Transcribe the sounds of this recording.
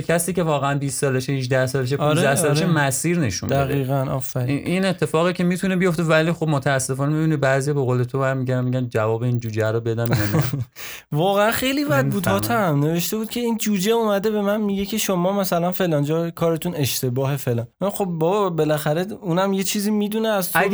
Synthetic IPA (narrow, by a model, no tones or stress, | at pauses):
kʲʰæsiːce̞vɒːɣeænbisːɒːleʃehiʒd̪æhsɒːleʃ̬epud̪æhsɒːlʃemæsiːɾne̞ʃṵmd̪æeɣd̪iːɣænɒ̰fæɾiʔine̞t̪ʰːe̞fɒːɣicʰe̞miːt̪ʰunebijo̞ft̪e̞væliːxo̞bmot̪ʰææsːe̞fɒːnemebiːnibæzijɒːbeɣoːlet̪ʰobæɾmiɟænmiɟænd͡ʒævɒːbeind͡ʒuːd͡ʒeæɾɔbe̞d̪æmjan | vɒːɣeænxe̞jliːbæd̪̚buːd̪hɒːt̪ʰæmne̞ve̞ʃt̪e̞buːd̪cʰe̞ind͡ʒuːd͡ʒeumæd̪e̞be̞mænmiɟecʰe̞ʃomɒːmæsælænfe̞lɒːnd͡ʒɒːjekʰɒːɾe̞t̪ʰune̞ʃt̪ʰe̞bɒːɦefe̞lɒxo̞b̚bɒːbɒbe̞læxæɾe̞unæmje̞t͡ʃʰiːzimiːd̪uneæzt̪æ